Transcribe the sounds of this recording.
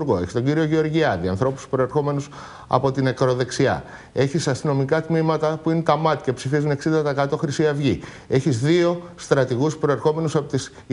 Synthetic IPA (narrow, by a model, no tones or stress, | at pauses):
ɾɣo̞e̞çi̥st̪oɲɟiɾio̞ʝeo̞ɾʝiɐðiɐ̰nθɾo̞pu̥spɾo̞e̞ɾxo̞me̞nus | ɐ̰po̞t̪ine̞kɾo̞ðe̞ksiɐ̰ | e̞çisɐst̪ino̞mikɐt̪mimɐt̪ɐpuinet̪ɐmɐt̪i̥ce̞psifizune̞ksind̪ɐt̪ɐkɐt̪o̞xɾisiɐvʝi | e̞çizðio̞st̪ɾɐt̪iɣuspɾo̞e̞ɾxo̞me̞nusɐpot̪is